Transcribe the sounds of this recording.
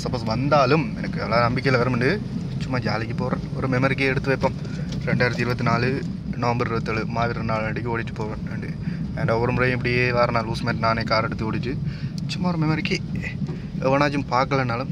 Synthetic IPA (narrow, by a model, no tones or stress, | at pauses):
sɐpːoːsʋɐnd̪aːlɯmɛ̰nɐkːɯɛ̰ʋɐlaːnɐmbɪkʲːejɪlɐʋɐɾɐmɛɳɖɯ | t͡ʃʊmːaːd͡ʒaːlɪkʲːɯpːoːʋɾɐnɔɾɯmɛmɐɾɪkːeɛɽɯt̪ːɯʋeɛpːɐm | ɾɛɳɖaːjɾɐt̪iɪɾɯbɐt̪ːinaːlɯ | nɐʋɐmbɐɾɪɾɯbɐt̪ːɐɭɯmaːʋɪɾɐnnaːleɳɖɪkːɯoːɽɪʈːɯ̥pːoːɾɐneɳɖɯend̪aʋɐɾɯmɾɐjmɪpːɐɽɪjeːʋaːɾɐnaːluːsmeːnʈnaːneːkaːɾɛɽɯt̪ːioːɽɪʈːɯt͡ʃʊmːaːɔɾɯmɛmɐɾɪkːe | ɛʋɐnaːt͡ʃːɯmpaːkːɐɭɐnaːlɯm